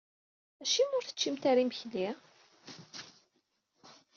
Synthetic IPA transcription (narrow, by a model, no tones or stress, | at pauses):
æʃimʊɾθə̥t͡ʃːimt̪aɾimçli